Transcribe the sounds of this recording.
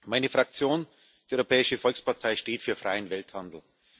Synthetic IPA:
maɪnəfʁ̥ak̚t͡sjoːn | d̥iːɔʏʁopʰɛːɪʃəfɔlkspʰaɐtʰaɪʃteːtfyːɐfʁ̥aɪənvɛlthandl̩

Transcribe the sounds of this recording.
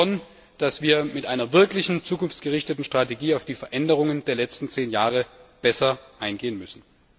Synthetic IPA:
ɔn | d̥asv̥iːɐmɪtʔaɪnɐvɪɐklɪçn̩t͡suːkʊnft͡sɡ̥əʁɪçtətn̩ʃtʁ̥ateɡiːaʊfd̥iːfɛɐʔɛndəʁ̞ʊŋəndeːɐlɛt͡stn̩t͡seːnjaːʁəb̥ɛsɐʔaɪnɡeːənmʏsn̩

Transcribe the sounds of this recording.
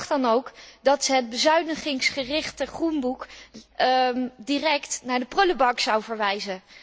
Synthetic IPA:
χdɑnowkdɑtsəɦəd̚bəzœɥnəχɪŋsχərɪχtəχrunbuk | dirɛktnaːɹdəprɵləbɑksɑwvəɹʋɛjzə

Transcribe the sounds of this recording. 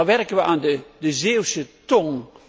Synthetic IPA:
ʋɛrkənʋəʔaːndədəzeːwsətɔŋ

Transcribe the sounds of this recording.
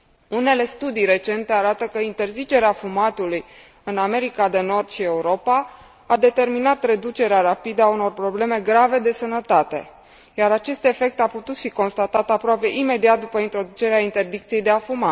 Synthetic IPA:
une̞le̞st̪ud̪ijɾe̞t͡ʃe̞nt̪e̞aɾat̪əkəint̪e̞rzit͡ʃe̞ɾeafumat̪uluj | ɨname̞ɾikad̪e̞no̞rd̪ʃie̞uɾo̞paː | d̪e̞t̪e̞rminat̪re̞d̪ut͡ʃe̞ɾeaɾapid̪əauno̞rpɾo̞ble̞me̞ɡɾave̞d̪e̞sənət̪at̪e̞̰ | jaɾat͡ʃe̞st̪e̞fe̞k̚t̪eaput̪ut̪fiko̞nst̪at̪at̪apɾoape̞ʔime̞d̪iat̪̚d̪upəint̪ɾo̞d̪ut͡ʃe̞ɾeaint̪e̞rd̪ikt̪sije̞jd̪eafuma

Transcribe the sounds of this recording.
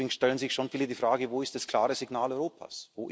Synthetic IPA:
ɪŋsʃtɛlənzɪçʃonfiːlədiːfʁ̥aːɡəvoːɪstd̥askl̥a̰ːʁəzɪɡnaːlɔʏʁoːpʰa̰svoːʔ

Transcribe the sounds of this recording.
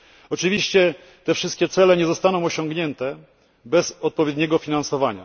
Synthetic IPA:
ɔt͡ʂɘvʲiɕt͡ɕɛ | t̪ɛfʂɘst̪kʲɛt̪sɛlɛɲɛzɔst̪anɔ̃w̃ɔɕɔŋɡɲɛnt̪ɛ | bɛszɔt̪̚pɔvʲjɛd̪ɲɛɡɔfʲinansɔvaɲa̰

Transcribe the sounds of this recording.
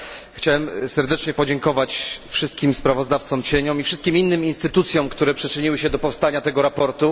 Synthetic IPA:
xt͡ɕawɛmsɛɾd̪ɛt͡ʂɲɛpɔd͡ʑɛŋkɔvat͡ɕfʂɘst̪kʲimspɾavɔzd̪aft̪sɔmt͡ɕeɲɔmifʂɘst̪kʲiminːɘminst̪ɘt̪ut̪sʲjɔ̃mkt̪uɾɛpʂɘt͡ʂɘɲiwɘɕɛd̪ɔpɔfst̪aɲat̪ɛɡɔɾapɔɾt̪u

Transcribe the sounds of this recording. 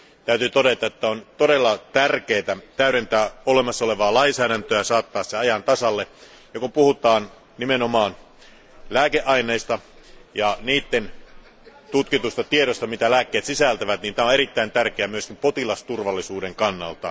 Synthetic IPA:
t̪æyt̪yt̪oɾet̪ɑet̪ːæont̪oɾelːɑt̪ærkeːt̪æt̪æyɾent̪æːolemɑsːɑole̞ʋɑːlɑinsæːɾænt̪øæɑsɑːt̪ːɑːsːeɑjɑnt̪ɑsɑlːe | jɑkumpuhut̪ɑːn | nimenomɑːn | læːkeʔɑineːist̪ɑjɑniːt̪ːen | t̪ut̪kit̪ust̪ɑt̪ieɾost̪ɑmit̪ælæːkːeːt̪sisælt̪æʋæt̪niːnt̪æːoeɾit̪ːæint̪ærkeæmyøskimpot̪ilɑst̪urʋɑlːisuːdeŋkɑnːɑ̰lt̪ɑ

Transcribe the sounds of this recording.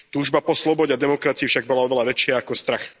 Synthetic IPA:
t̪uːʒbapɔslɔbɔɟɛad̪ɛmɔkɾat͡siifʃaɡ̚bɔlaɔʋɛlaʋɛt͡ʃɪaːkɔst̪ɾax

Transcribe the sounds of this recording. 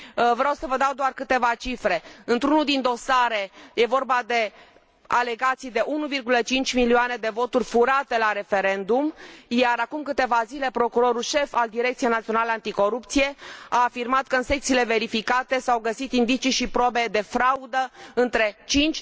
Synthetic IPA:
vɾawsəvəd̪awd̪oarkɨt̪e̞vat͡ʃifɾe̞ɨnt̪ɾunuld̪ind̪o̞saɾe̞je̞vo̞rbad̪e̞ | a̰le̞ɡat̪sijd̪e̞ʔunuvirɡulət͡ʃint͡ʃʲmilioane̞d̪e̞vo̞t̪urʲfuɾat̪e̞laɾe̞fe̞ɾe̞nd̪umjaɾakumkɨt̪e̞vazile̞pɾo̞kuɾo̞ɾulʃe̞fald̪iɾe̞k̚t̪sijenat̪sio̞naleant̪iko̞ɾupt̪sije̞aːfirmat̪kəɨnse̞kt̪sile̞ve̞ɾifikat̪e̞sawɡəsit̪ind̪it͡ʃiʃipɾo̞be̞d̪e̞fɾaud̪əɨnt̪ɾe̞t͡ʃint͡ʃʲ

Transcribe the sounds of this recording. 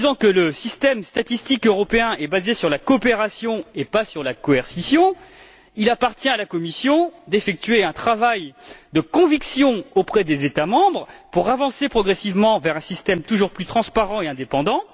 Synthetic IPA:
d̪izɑ̃kələsist̪ɛmst̪at̪ist̪ikøʁɔpeɛ̃ʔɛbazesyʁlakɔːpeʁasjɔ̃epasyʁlakɔɛʁsisjɔ̃ | ilapaʁt̪jɛ̃alakɔmisjɔ̃d̪efɛk̚t̪ɥeɛ̃t̪χavajd̪əkɔ̃viksjɔ̃opχɛd̪ezet̪amɑ̃bʁpuʁavɑ̃sepχɔɡʁɛsivmɑ̃vɛʁɛ̃sist̪ɛmt̪uʒuʁplyt̪χɑ̃spaʁɑ̃eɛ̃d̪epɑ̃d̪ɑ̃

